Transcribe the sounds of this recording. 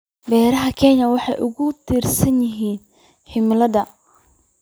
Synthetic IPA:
bɛːɾɐɦɐkʰɛnjɐwɑħɑjʔʊ̰ɣʊt̪ʰiːrsɐnjɪɦiːn | ħɪmlɐðɐ

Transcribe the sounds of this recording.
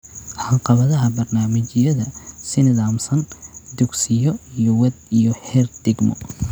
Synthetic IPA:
hɐqɑβɐðɐɦɐbɐrnaːmɪt͡ʃɪjɐðɐsɪnɪðaːmsɐnd̪uɡsɪjɔijɔwɛd̪̚ijɔhɛrd̪ɪɡmɔ̰

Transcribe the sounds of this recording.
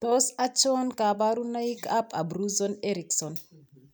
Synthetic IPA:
t̪ɔsat͡ʃɔnkabaɾunaikapʰa̰bɾuzɔneɾiksɔn

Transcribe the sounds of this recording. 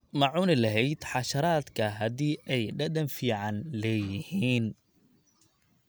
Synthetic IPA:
mɑʕuːnɪlɐɦɛjd̪ħɑʃɐɾaːd̪kʰɐɦɐðiːʔɛjɖɐðɐnfiːʕɑnlɛːjɪhiːn

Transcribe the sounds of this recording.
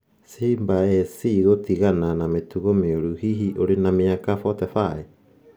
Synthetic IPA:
simbaesiɡotiɡananametuɡomeoɾuhiɦiʔoɾenamiakafotefae

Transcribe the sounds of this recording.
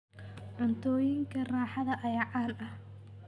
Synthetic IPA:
ʕʊnt̪ʰɔːjɪŋkʰɐraːħɑðɐʔɐjaːʕɑːlɐh

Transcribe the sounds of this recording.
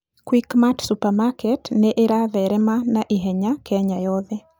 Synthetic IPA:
kwikmatsupamakɛtneʔeɾaðɛɾɛmanaʔiɦɛɲakɛɲajɔðɛ

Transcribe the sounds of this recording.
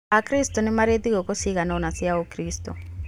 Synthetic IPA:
akɾistɔnɛmaɾet̪ikɔkosiɣanaɔnasiaokɾistɔ̰

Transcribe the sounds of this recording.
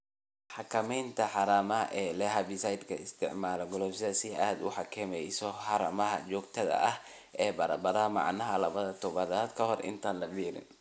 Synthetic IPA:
ħɑkʰɐmɛjnt̪ʰɐħɑɾaːmɐʔɛːlɛɦabisɐjd̪kʰɐɪst̪ʰɪʕmaːlɔɡɔlɔfsɐsɪaːd̪ʊħɑkʰɛmɛjsɔħɑɾɐmɐɦɐ̰t͡ʃɔːɡ̚t̪ʰɐðɐ̰ʔɐh | ʔɛːbɐɾɐbɐɾamɑ̰ʕnɐɦɐlɐβɐðɐt̪ʰɔβɐðaːd̪kʰɐhɔrʔɪ̰nt̪ʰaːnlɐbiːɾɪ̰n

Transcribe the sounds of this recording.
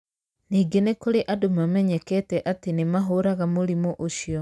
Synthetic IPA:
niːɡenekoɾeʔadomamɛɲɛkɛtɛʔatenemaɦoɾaɣamoɾimoʔoʃiɔ

